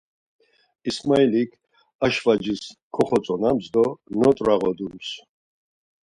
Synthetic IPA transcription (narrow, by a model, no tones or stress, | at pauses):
ismailikʰ | aʃvad͡ʒiskʰɔχɔt͡sʼɔnamsd̪ɔnɔt̪ʼɾaʁɔd̪ums